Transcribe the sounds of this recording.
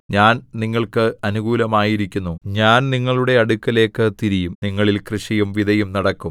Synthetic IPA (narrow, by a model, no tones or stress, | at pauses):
ɲaːnniŋːɐɭkɨɐnuɣuːlɐmaːjiɾikʲːunːuɲaːnniŋːɐɭuɽe̞ɐɽukːɐle̞ːkːɨt̪iɾijumniŋːɐɭilkrɨʂɐjumʋid̪ʱɐjumnɐɽɐkːum